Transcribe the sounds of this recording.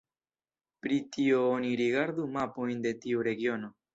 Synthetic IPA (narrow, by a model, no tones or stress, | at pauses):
pɾitio̞oniɾiɡaɾdumapo̞jnde̞tiuɾe̞ɡio̞no̞